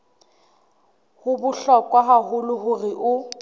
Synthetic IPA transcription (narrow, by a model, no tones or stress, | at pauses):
hʊbʊɬɔkʼwaɦahʊlʊɦʊrɪʔʊ